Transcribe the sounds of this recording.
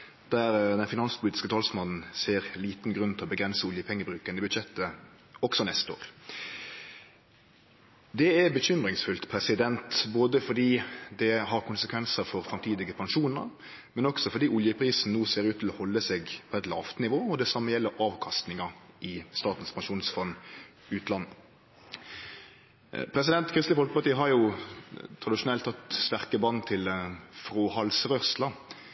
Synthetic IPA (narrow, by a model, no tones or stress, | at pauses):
d̪̥æɾd̪ɛnfɪnɑnspʰʊliːt̪ɪ̥skət̪ʰɑːlsmɑnn̩seːɾliːt̪n̩ɡɾʉnt̪ɪlɔbəɡɾɛnsəʊljəpʰɛŋːəbɾʉːkənəbʉd̪ʃɛt̪ːə | ɔksɔnɛst̪əo̰ːʁ | d̪ɛɛbəçʏmɾɪŋsfʉlt̪pʰɾɛsɪd̪ɛnt̪boːd̪əfɔd̪iːd̪ɛɦɑɾkʊnsəkʰʋɛnsəɾfɔɾfɾɑmt̪ʰiːd̪ɪɡəpʰɑŋʃuːnə̰ɾ | mɛnɔksɔfɔɖ̪iːʊljəpʰɾiːsn̩nuːseːɾʉːt̪ʰːɪlɔhɔlːəseːɡpʰɔɛt̪lɑːft̪nɪʋoːɔd̪ɛsɑmːəjɛlːəɾʔɑːʋkʰɑst̪nɪŋɑʔɪst̪ɑːt̪n̩spʰɑnʂuːnsfɔnː | ʉːt̪lɑnː | pʰɾɛs̬ɪd̪ɛnt̪kʰɾɪst̪ləfɔlkəpɑʈ̪iːəɦɑɾjʊ | t̪ʰʁɑd̪ɪʃʊnɛlt̪ʰːɑt̪st̪æʁkəbɑnːt̪ʰɪlfʁoːhɑlsʁœslɑ